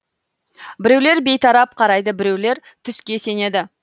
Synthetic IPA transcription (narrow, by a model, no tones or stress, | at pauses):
bɪɾe̞wle̞ɾbe̞jt̪ʰɑɾɑp̚qʰɑɾɑjd̪əbɪɾe̞wle̞ɾt̪ʰʏskʲe̞se̞ne̞d̪ɪ